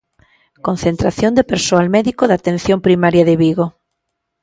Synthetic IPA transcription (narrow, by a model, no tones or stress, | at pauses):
kon̟θent̪ɾaθjond̪epeɾsoalmɛðikoðat̪ẽn̟θjompɾimaɾjɐðɪβiɣo